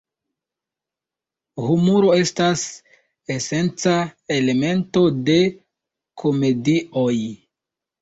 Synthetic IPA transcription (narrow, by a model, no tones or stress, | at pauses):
humuɾo̞e̞stas | e̞se̞nt͡sae̞le̞me̞nto̞de̞ | kʰo̞me̞dio̞j